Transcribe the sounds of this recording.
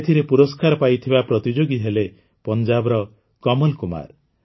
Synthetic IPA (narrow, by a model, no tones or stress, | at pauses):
et̪ʰiɾepuɾɔskaɾɔpajt̪ʰibapɾɔt̪id͡ʒoɡiɦele | pɔnd͡ʒabɔɾɔ | kɔmɔlkuma̰ɾ